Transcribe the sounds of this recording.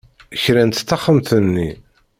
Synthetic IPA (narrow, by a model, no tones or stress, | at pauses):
çɾænt̪θːɑχːəmθənːi